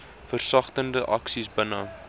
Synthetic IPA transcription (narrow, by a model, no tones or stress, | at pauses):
fərsɐχtəndəʔɐksisbənə